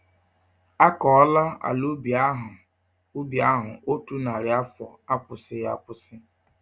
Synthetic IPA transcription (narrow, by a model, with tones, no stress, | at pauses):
a˦kɔ˨ɔ˦la˦a̰˨lu˦ba˦ɦ | u˦bja˦ɦʊ̰˨ʔo˦tu˦na˨ɾɪ˨a˦fɔ˨a˦pʊ˨sɪ˦ja˦pʊ˦sɪ˦